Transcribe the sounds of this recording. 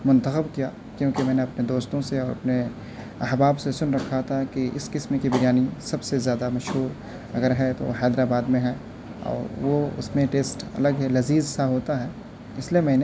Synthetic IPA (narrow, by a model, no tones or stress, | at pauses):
mʊ̃nt̪əxəbkija | kjõːkemɛːneɐpned̪oːst̪õseɔːɾɐ̰pne | ɐɦbaːbsesʊnɾɐkʰːat̪ʰakiɪskɪsmkibɐɾjaːnisɐbsezjaːd̪amɐʃɦuːɾ | ɐɡəɾɦɛt̪o̰ɦɛːd̪ɾaːbaːd̪mẽɦɛ | ɔ̰ːɾʋoʊ̰smẽʈeːsʈɐ̰ləɡɦɛlɐziːzsaɦoːt̪aɦɛː | ɪsliemɛ̃ːne